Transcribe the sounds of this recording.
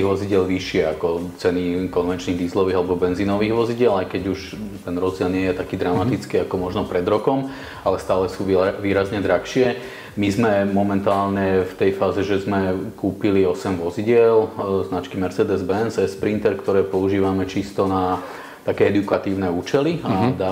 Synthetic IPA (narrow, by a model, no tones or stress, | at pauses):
iɦʋɔziɟɪɛlʋiʃɪɛakɔt͡sɛnikɔnʋɛnt͡ʃniːɣd̪iːzlɔʋiːɦalɛbɔbɛnzinɔʋiːɣʋɔziɟɪɛlajkɛɟuʃ | t̪ɛnɾɔzd͡ʑɪɛlnɪɛjɛt̪akiːd̪ɾamat̪it͡skiːakɔmɔʒnɔpɾɛd̪ɾɔkɔm | alɛst̪aːlɛsuːʋiːɾazɲɛd̪ɾakʃɪɛ | mizmɛmɔmɛnt̪aːlɲɛft̪ɛjfaːzɛʒɛzmɛkuːpiliɔsɛmʋɔziɟɪɛlznat͡ʃkimɛɾt͡sɛːd̪ɛzbɛnsɛspɾint̪ɛɾkt̪ɔɾɛːpɔuʒiːʋamɛt͡ʃist̪ɔna | t̪akɛːɛd̪ukat̪iːʊnɛːuːt͡ʃɛliad̪a